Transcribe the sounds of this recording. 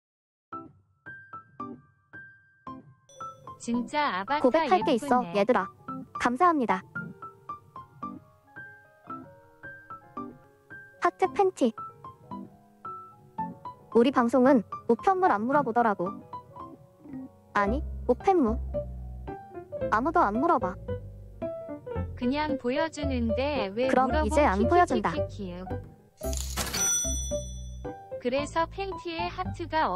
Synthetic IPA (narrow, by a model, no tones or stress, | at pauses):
t͡ɕit͡ɕkobe̞kkʰːaɭk͈e̞iss͈ʌje̞dɯɾakamsʰaɦamɲida | hak̚tʰɯk̚pʰe̞ntʰi | uɾipaŋsʰoŋɯnmopʰjʌnmːuɾanmuɾʌbodʌɾaɡo | aɲikopʰe̞mːu | amudoanmuɾʌba | kɯɲaŋpojʌd͡ʑinɯnde̞wekɯɾʌmid͡ʑe̞anpʰojʌd͡ʑindakʰio | kɯɾe̞sʰʌpʰe̞ntʰiehatʰɯɡa